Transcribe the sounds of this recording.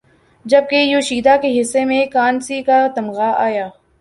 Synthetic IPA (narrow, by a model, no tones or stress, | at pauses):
d͡ʒɐb̚kejoːʃiːd̪akeɦɪsːemẽkaːnsikat̪ɐmɣaʔaːjaː